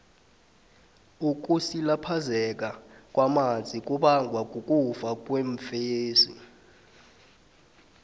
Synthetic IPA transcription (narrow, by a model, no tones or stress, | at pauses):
uk̬ʼusilapʰazɛk̬ʼakʼwamand͡zʱik̬ʼuɓaŋɡʱwakʼukʼufak̬ʼweɱfjeːzḭ